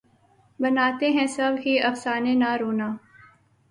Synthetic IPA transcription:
bɐnaːt̪eɦɛ̃sɐbɦiɐfsaːnenaɾoːnaː

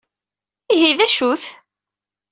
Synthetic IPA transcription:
iɦiðæʃuθ

